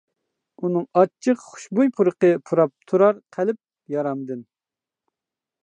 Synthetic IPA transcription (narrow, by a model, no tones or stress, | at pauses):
unɨŋɑt͡ʃʰːɨqχʊ̥ʃbujpʰuɾəqəpʰuɾɑp̚t̪ʰuɾɑɾqʰælɪp̚ | jɑɾɑmd̪ɨn